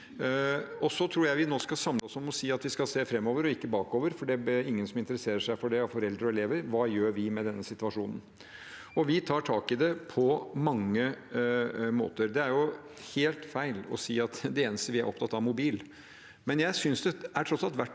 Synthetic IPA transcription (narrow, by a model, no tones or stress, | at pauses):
ɔsɔt̪ʰɾuːɾjæɪʋɪnoːskɑsɑmləɔsɔmɔsiːɑt̪ʋɪskɑseːfɾɛmːoːʋəɾɔɪkːəbɑːkoːʋəɾfɔɖɛɾɪŋːənsɔmɪnt̪əɾəseːɾəʂæɪfɔɖɛɑfɔɾɛld̪ɾəɔɛleːʋəɾʋɑːjøːɾʋɪmɛd̪ɛnːəsɪt̪ʉɑʂuːnən̩ | ɔʋɪt̪ʰɑːʈʰɑːkɪd̪ɛpʰɔmɑŋːə | mo̰ːt̪əɾd̪ɛæɾjʊ | heːlt̪fæɪlɔ̰siːɑt̪d̪ɛeːnəst̪əʋɪæɾʔɔpt̪ʰɑt̪ːɑʋmʊbiːl | mɛnjæɪsʏnsd̪ɛæʈʰɾɔt̪sɑlt̪ʋæʈː